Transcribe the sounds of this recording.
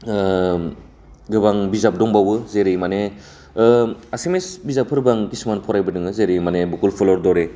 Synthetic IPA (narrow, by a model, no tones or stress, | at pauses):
ɡɯbaŋbizap̚dɔŋbawɯzeɾijmane | asemesbizap̚ʰːɯɾbaŋkisimanpʰɔɾajbɯdɯŋɯzeɾijmanebukulpʰɔlɔɾdɔɾe